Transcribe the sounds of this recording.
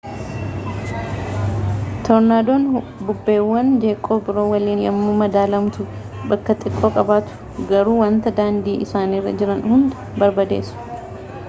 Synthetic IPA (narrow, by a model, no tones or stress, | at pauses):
t̪ʰɔɾnaːd̪oːn | bʊbːe̞ːwːɐnd͡ʒe̞ːkʼːoːbɪɾo̞ːwɐliːnjɐ̰mːuːmɐd̪aːlɐmt̪ʊ | bɐkːɐt̪ʼɪkʼːoːkʼɐbaːt̪ʊ̥ | ɡɐɾuːwɐnt̪ɐd̪aːnd̪iːʔɪsaːniːrːɐ̰d͡ʒɪɾɐnhʊnd̪ʊ̥bɐɾbɐd̪e̞̰ːsʊ̥